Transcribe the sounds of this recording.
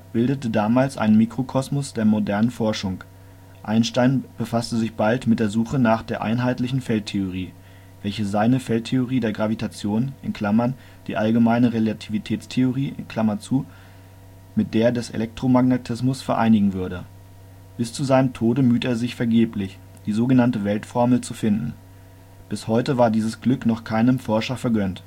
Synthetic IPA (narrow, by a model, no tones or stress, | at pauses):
b̥ɪldətədaːmaːlsʔa̰ɪnənmikʁ̥okʰɔsmʊsd̥eːɐmodɛɐnənfɔɐʃʊŋ | ʔaɪnʃtaɪnb̥əfastəzɪçb̥altmɪt̚d̥eːɐzuːχənaːχd̥eːɐʔa̰ɪnɦaɪtlɪçn̩fɛltʰeoʁ̞iː | vɛlçəzaɪnəfɛltʰːeoʁ̞iːdeːɐɡʁavitʰat͡sjoːnʔɪ̰nkʰl̥amɐn | d̥ḭːʔalɡəmaɪnəʁelatʰivitʰɛːt͡stʰeoʁiːʔɪ̰nkʰl̥amɐt͡suː | mɪt̚d̥eːɐdɛsʔḛlʔɛk̚tʁ̥omaɡnetʰɪsmʊsfɛɐʔa̰ɪnɪɡŋ̩vʏɐɾə | b̥ɪst͡suzaɪnəmtʰoːdəmyːteːɐzɪçfɛɐɡeːplɪç | d̥iːzoːɡənantəvɛltfɔɐml̩t͡sufɪndn̩ | b̥ɪshɔʏtəvaːɐdiːzəsɡ̥lʏknɔχkʰaɪnəmfɔɐʃɐfɛɐɡœnt